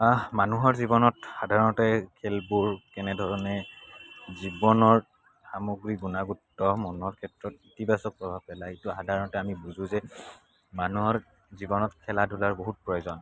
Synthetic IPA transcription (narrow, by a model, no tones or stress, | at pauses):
amanuɦɔɹzibɔnɔtxadʱaɹɔnɔtɛkʰɛlbuɹkɛnɛdʱɔɹɔnɛ | zibɔnɔɹ | xamoɡɹiɡunaɡutːɔmɔnɔɹkʰɛtɹɔtitibasɔk̚pɹɔbʱab̚pɛlaituxadʱaɹɔnɔtɛamibuzʊ̃zɛ | manuɦɔɹ | zibɔnɔtkʰɛladulaɹboɦut̚pɹɔjozɔn